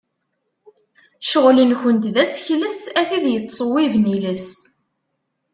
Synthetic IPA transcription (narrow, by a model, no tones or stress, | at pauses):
ʃəʁlinçənt̪ðæsçləsæθiðjət͡sˤːsˤəwːivniləs